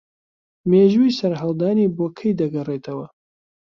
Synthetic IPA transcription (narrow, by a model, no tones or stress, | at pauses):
meːʒujsɐɾɦɐlˠd̪aːniːboːkʰɐjd̪ɐɡɐreːt̪ʰɐwɐ